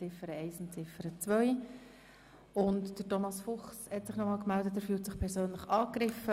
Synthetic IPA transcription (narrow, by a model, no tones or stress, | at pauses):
t͡sɪfəɾəɛɪsɪnt͡sɪfəɾət͡sʋœʏ | ʊntd̥ətɔmɑsfʊχshɛtsɪχnɔmɑːlkmældətɛɾfyːltsɪχpʰɛɾsøːnləχɑːkɾɪfə